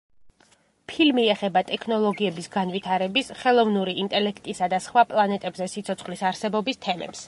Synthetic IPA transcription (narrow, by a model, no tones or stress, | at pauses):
pʰilmiɛχɛbat̪ʼɛkʰnɔlˠɔɡiɛbisɡanvit̪ʰaɾɛbisχɛlˠɔvnuɾiint̪ʼɛlɛkʰt̪ʼisad̪asχwapʼlˠanɛt̪ʼɛbzɛsit̪sʰɔt̪sχlisaɾsɛbɔbist̪ʰɛmɛ̰ps